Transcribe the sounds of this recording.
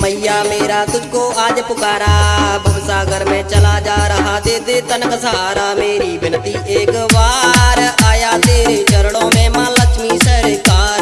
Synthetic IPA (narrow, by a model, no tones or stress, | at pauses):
məɪjaːmeːɾaːt̪ʊkoːaːd͡ʒpʊkaːɾaːbʱɐmsaːɡəɾmẽːt͡ʃɐlaːd͡ʒaːɾɐɦaːd̪eːd̪eːt̪ənksəɦaːɾaːmeːɾiːbɪnt̪iːʔeːkʋaːɾaːjaːt̪eːɾeːt͡ʃɐɾɽõːmẽmãːləkmiːsəɾekaːɾ